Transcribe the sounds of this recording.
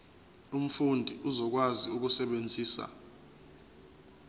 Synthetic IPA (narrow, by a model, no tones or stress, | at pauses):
um̩fundʱiʔuzɔk̬waziuk̬usɛɓend͡zʱiːsa̰